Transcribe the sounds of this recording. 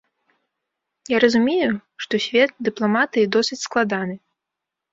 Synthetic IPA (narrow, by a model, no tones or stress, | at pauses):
jaɾɐzumʲejuʂt̪ɔsʲvʲɛt̪̚d̪ɨplˠamat̪ɨid̪ɔsɨt͡sʲsklˠad̪anɨ